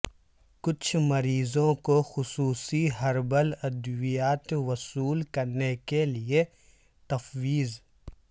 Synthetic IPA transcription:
kʊt͡ʃʰmɐɾiːzõkoxʊsuːsiɦɐɾbəlɐd̪ʋijaːt̪wɐsuːlkɐɾnekelie | t̪ɐfwiːz

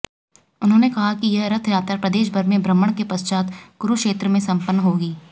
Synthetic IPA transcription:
ʊnɦõːnekɐɦakijɐɦɾɐt̪ʰjaːt̪ɾapɾɐd̪eːʃbʱɐɾmẽbɾəmːəɽ̃kepɐst͡ʃaːt̪ɡ̥ʊɾukʃeːt̪ɾəmẽsɐ̃mpənːɦoːɡiː

